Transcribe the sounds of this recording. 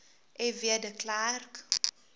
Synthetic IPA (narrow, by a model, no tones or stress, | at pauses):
ʔɛviədəklark